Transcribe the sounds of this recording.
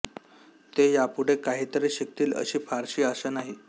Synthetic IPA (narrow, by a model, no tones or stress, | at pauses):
t̪ejapuɽ̤ekaɦiːt̪əɾeɕək̚t̪iːlə̰ɕiːfaɾɕiːəsənaɦi